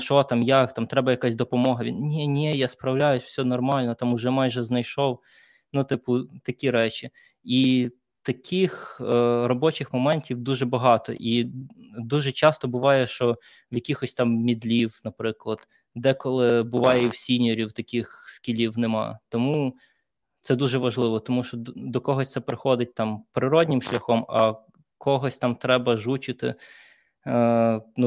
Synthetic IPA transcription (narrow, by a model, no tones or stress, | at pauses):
ʃɔt̪ɑmjat̪ɑmt̪ɾɛbɐjɐkasʲd̪ɔpɔmɔɦɐʋʲinnʲɛnʲɛjaspɾɐwlʲajʊsʲw̥sʲɔnɔrmɑlʲnɔt̪ɑmʊʒɛmɑjʒɛznɐjʃɔw | nut̪ɪpʊt̪ɐkʲiɾɛt͡ʃʲi | i | t̪ɐkʰʲixrɔbɔt͡ʃɪxmɔmɛnʲtʲiwd̪uʒɛbɐɦɑt̪ɔ̰ʔi | d̪uʒɛt͡ʃɑst̪ɔbʊʋɑjɛʃt͡ʃɔ | wjɐkʲixɔsʲt̪ɑmːʲid̪lʲiwnɐpɾɪklˠɐd̪̥ | d̪ɛkɔlˠɪbʊʋɑjɛiwsʲinʲɔɾʲiwt̪ɐkʲixskʲilʲiwnɛmɑ̰t̪ɔmu | t̪sɛd̪uʒɛʋɐʒlˠɪʋɔt̪ɔmuʃt͡ʃɔd̪ɔkɔɦɔsʲt̪sɛpɾɪxɔd̪ɪt̚ʲt̪ɑmpɾɪɾɔdʲnʲɪmʃlʲɐxɔmɐ | kɔɦɔsʲt̪ɑmt̪ɾɛbɐʒut͡ʃɪt̪ɪ̰ | nu